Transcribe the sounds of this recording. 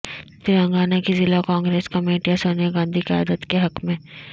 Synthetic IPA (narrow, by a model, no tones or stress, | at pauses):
t̪ɪɾə̃ŋɡaːnakizɪlakãːŋɡɾeːskɐmeːʈijasoːnijaɡãːnd̪ʱiqɪja̰ːd̪ət̪keɦɐkmẽː